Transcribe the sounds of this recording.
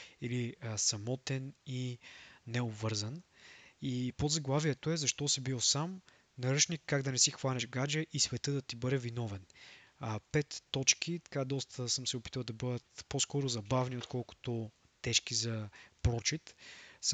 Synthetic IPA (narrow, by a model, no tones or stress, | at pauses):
ilisɐmɔt̪ɛninɛobvɤɾzənipod̪zɐɡlˠaviɛt̪oɛzɐʃt̪ɔsibisam | nɐɾət͡ʃnikːaɡd̪ɐnɛsixvanɛʃɡad͡ʒɛʔisvɛt̪ɤd̪ɐt̪ibɤd̪ɛvinɔvɛn | pɛt̪ːɔt͡ʃk̟it̪ɐ̥kad̪ɔst̪əsəmsɛopi̥t̪əlˠd̪ɐbɤd̪ət̪poskɔɾʊzɐbavniot̪kɔlˠkʊ̥t̪ʊ | t̪ɛʃk̟izɐpɾɔt͡ʃit̪s